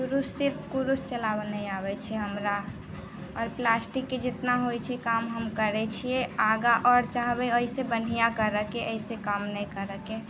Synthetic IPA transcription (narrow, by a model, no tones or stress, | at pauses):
kuɾusːiɾpʰkuɾust͡ʃəlabnəjabɛt͡ʃʰɛɦəmɾa | ɔːɾplasʈikːed͡ʒet̪naɦojt͡ʃʰɛkamɦəmkəɾɛt͡ʃʰijeaɡaʔɔɾt͡ʃaɦbɛəisebən̤ijakəɾəkeʔəisekamnəjkəɾəke